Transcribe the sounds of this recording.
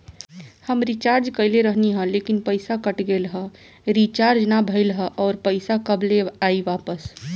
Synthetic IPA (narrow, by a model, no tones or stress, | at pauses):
həmɾit͡ʃaɾd͡ʒkəɪleɾəɦniɦə̃lekinpəɪsakəʈɡelɦə̃ | ɾit͡ʃaɾd͡ʒnabʱəɪlɦə̃ʔɔːɾpəɪsakəbleaiʋapəs